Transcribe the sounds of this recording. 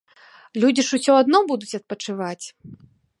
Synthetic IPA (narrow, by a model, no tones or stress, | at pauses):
lʲud͡zʲiʂusʲɔad̪nɔbud̪ut͡sʲɐt̪̚pɐt͡ʂɨvat͡sʲ